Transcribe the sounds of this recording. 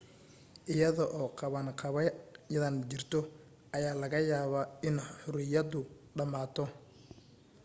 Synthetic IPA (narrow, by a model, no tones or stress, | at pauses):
ʔɪjɐðɔʔɔːqʰɑβɐnqʰɑβɛjjɐðɐnt͡ʃɪrt̪ʰɔ | ʔɐjaːlɐɣɐjaːβaɪnħʊɾɪjɐd̪ʊ | ɖɐmaːt̪ʰɔ